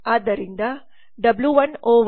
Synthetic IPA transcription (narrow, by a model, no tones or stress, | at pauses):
aːd̪ɐɾind̪ɐ | ɖɐbljuʋɐnoːʋ